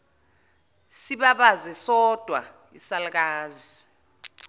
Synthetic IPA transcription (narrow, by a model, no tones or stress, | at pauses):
siɓaɓazɛsɔd̥ʱwa̰ | isalk̬aːzi